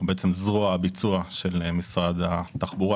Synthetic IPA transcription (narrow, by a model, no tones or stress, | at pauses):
beet͡se̞mzʁoabit͡suaʃelmisʁad̪at̪aχbuʁa